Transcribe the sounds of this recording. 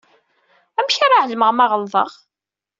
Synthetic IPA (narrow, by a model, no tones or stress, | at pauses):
æmçaɾˤaʕəlməʁmɑʁəlðˤə̰ʁ